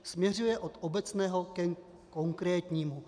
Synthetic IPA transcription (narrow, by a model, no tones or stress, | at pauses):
smɲɛr̝ujɛʔot̪obɛt͡snɛːɦo̞kɛ | ko̞ŋkɾɛːt̪ɲiːmu